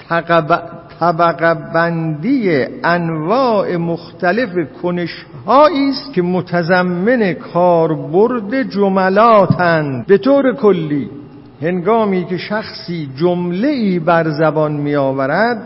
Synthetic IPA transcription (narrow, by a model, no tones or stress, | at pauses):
t̪ʰææbt̪ʰæbæɡæbænd̪ijeʔænvɒːʔemoxt̪ʰæle̞fekʰone̞ʃ | hɒːiːst̪kʲʰemot̪ʰæzæmːe̞ne̞kʰɒːɾboɾd̪e̞d͡ʒomælɒːt̪ʰænd̪̚be̞t̪ʰoːɾe̞kʰolːiː | he̞ŋɡɒːmiːkʰe̞ʃæxsiːd͡ʒomle̞ʔiːbæɾzæbɒnmijɒːvæɾæd̪̚